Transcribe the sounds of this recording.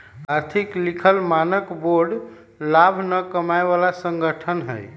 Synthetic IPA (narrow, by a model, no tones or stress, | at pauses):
aɾt̪ʰiklikʰəlmanəkboɾɖ | labʱnəkəmaebalasəŋɡəʈʰənɦə̰j